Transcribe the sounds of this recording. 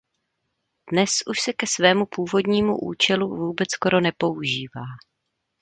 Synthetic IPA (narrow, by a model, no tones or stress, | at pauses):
d̥nɛsʔuʃsɛkɛsvɛːmupuːvo̞dɲiːmṵʔṵːt͡ʃɛluvuːbɛt͡sko̞ɾo̞nɛpo̞uʒiːvaː